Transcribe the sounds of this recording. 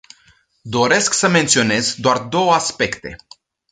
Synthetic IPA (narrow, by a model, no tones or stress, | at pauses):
d̪o̞ɾe̞sksəme̞nt̪sio̞ne̞zd̪oard̪o̞wəaspe̞kt̪e̞